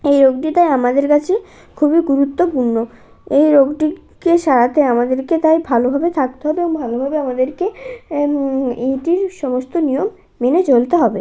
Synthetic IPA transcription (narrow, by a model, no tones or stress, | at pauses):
ejɾoɡ̚ɖit̪ajamad̪eɾkat͡ɕʰe | kʰubiɡuɾut̪ːopuɾno | ejɾoɡɖi | keʃaɾat̪eamad̪eɾket̪ajbʱalobʱabet̪ʰak̚t̪eɦɔbeoŋbʱalobʱabeamad̪eɾke | iʈiɾʃɔmost̪onijomː | enet͡ɕolt̪eɦɔbe